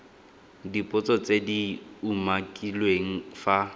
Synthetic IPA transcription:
dipʼʊt͡sʼɔt͡sʼediumakʼilweŋ̩fa

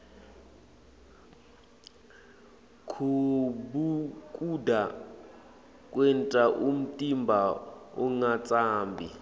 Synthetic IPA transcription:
kʰubukʼudʱa | k̬ʼwɛntʼaʔum̩tʼimbʱaɔ̰ŋat͡sʼaːmbʱi

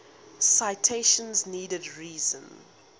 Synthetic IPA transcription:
saɪtʰeɪʃə̃nzniːdədɹiːzə̃n

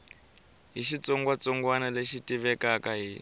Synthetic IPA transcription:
ɦiʃit͡sɔŋɡwat͡sɔŋɡwanaleʃitiβɛkakaɦi

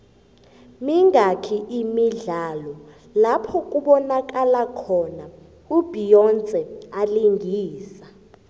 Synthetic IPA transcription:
miŋɡakʰiʔimiɮalɔ | lapʰɔkʼuɓɔnak̬ʼalakʰɔna | ub̥ʱijɔnt͡sʼɛaliŋɡʱiːsa

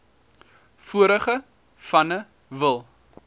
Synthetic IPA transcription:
fuəɾəχə | fɐnə | vəlˠ

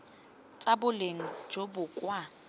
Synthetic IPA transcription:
t͡sʼabʊleŋ̩d͡ʒobʊkʼwa

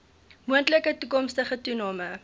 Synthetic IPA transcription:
muəntləkətukɔmstəχətunɑːmə

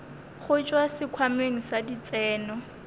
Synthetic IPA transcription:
χʊt͡ʃʼwasɪkʰwameŋ̩sadit͡sʼɛːnɔ

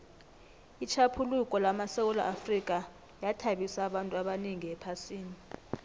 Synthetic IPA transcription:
it͡ʃʰapʰulukʼɔlamasɛwɔla̰ʔafrik̬ʼa | jatʰaɓisaːɓantʼuaɓaniŋiɛpʰasiːni

